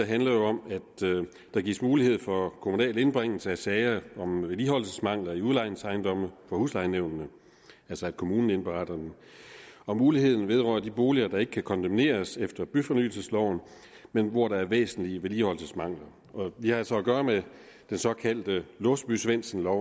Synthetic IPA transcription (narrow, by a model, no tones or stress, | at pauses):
eɦænlɐjo̝ɒ̽mæd̥ | d̥ɑ̈ɡḭːsmuːlihe̝ð̞̰ˠfɒ̽kʰo̝munɛ̰ːle̝nb̥ʁeŋ̰l̩səæsɛɪɐɒ̽mʋeliɦɒl̰səsmɑ̈ŋ̰lɐiuðˠlɑ̈ɪnsɑ̈ɪnd̥ɒ̽məfɒ̽huslɑ̈ɪneʊ̰nnə | ælsɒæd̥kʰo̝muːnn̩enb̥eʁɑd̥ɐd̥en | ɒ̽muːlihe̝ð̞̰ˠn̩ʋe̝ð̞ˠʁɶ̰ːɐd̥ib̥o̝ːliɐd̥ɑ̈e̝ɡ̥əkʰækʰɒ̽nd̥ʰæmne̝̰ːɐsefd̥ɐb̥yfɒ̽ny̰ːl̩səslɒʊ̰n | menʋɒɾ̥ɑ̈æɐʋḛːsn̩liəʋelihɒ̽lsəsmɑ̈ŋ̰lɐ | ʔɒ̽ʋihɑælsɒ̽ːɡ̥ɶːɐme | d̥ensɒ̽kʰæl̰d̥əlɔsd̥b̥ysʋen̰sn̩lɒʊ̰